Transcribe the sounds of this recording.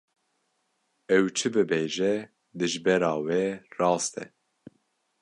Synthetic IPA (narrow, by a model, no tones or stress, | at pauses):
ɛwt͡ʃʰɨbɨbeːʒɛ | d̪ɨʒbɛɾɑːweːrɑːst̪ɛ̰